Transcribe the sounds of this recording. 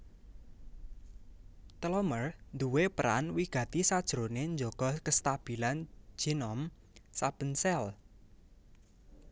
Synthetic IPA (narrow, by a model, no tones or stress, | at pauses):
t̪əlɔmərnd̪uwepəɾa̰nwiɡ̥ä̤t̪isad̥ʒ̥ɾonend͡ʒoɡ̥ɔkəst̪ab̥i̤land͡ʒ̥inɔm | sab̥ə̤nsɛl